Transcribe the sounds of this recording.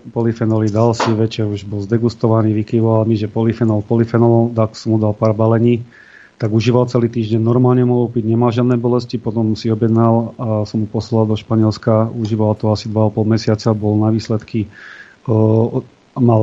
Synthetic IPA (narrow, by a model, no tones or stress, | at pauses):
pɔlifɛnɔlid̪alsiʋɛt͡ʃɛɾuʒbɔlzd̪ɛɡust̪ɔʋaniːʋikiʋɔʋalmiʒɛpɔlifɛnɔlpɔlifɛnɔald̪kɔ̥sɔmud̪alpaːɾbalɛɲiː | t̪aɡuʒiːʋalt͡sɛliːt̪iːʒɟɛɲnɔɾmaːlɲɛmuɔpiɟɲɛmalʒɪad̪nɛːbɔlɛscipɔt̪ɔmsiɔbjɛd̪nalasɔmhupɔslalˠd̪ɔʃpaɲɛlskauʒiːʋalt̪ɔasid̪ʋaapɔlmɛsɪat͡sabɔlnaʋiːslɛt̪ki | mal